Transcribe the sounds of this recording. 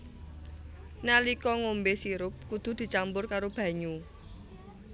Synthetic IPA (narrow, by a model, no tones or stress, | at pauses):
nalikɔŋombesiɾʊp̚kud̪̥ṳd̪̥i̤t͡ʃambʊrkaɾob̥ä̤ɲu